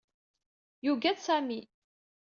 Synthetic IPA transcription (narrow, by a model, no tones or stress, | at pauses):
juɡæðsæmi